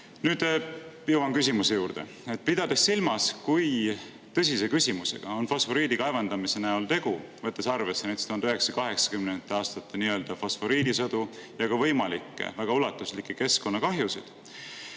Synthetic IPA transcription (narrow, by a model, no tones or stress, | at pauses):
nyːd̪ | jɤwɑŋkysʲimuse̞juːɾd̪̥e̞̰ | e̞t̪̚ːpid̪̥ɑd̪e̞sːilmɑskuj | t̪ɤ̞s̬ʲise̞kysʲimuse̞̰ɡ̥ɑo̞nfosfo̞ɾiːd̪ikɑevɑnd̪̥ɑmise̞næolt̪e̞ɡ̥uvɤt̪ːˑesɑrve̞sːenæjt̪e̥t̪uhɑnd̪yheksɑkɑɦe̞ksɑ̥kymnent̪ːˑeɑːst̪ɑt̪ˑːeniːø̞ːld̪̥ɑfosfo̞ɾiːd̪isɤd̪̥ujɑɡ̥ɑvɤ̞jmɑlikːˑḛvæɡ̥ɑulɑt̪ːˑuslikːˑeke̞sko̞nːɑkɑɦjusid̪̥